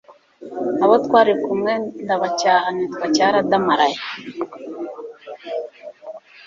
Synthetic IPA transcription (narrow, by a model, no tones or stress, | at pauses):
aβat̪kʷaɾikumɛnd̪aβat͡ʃaːnit̪kʷat͡ʃaɾad̪amaɾaj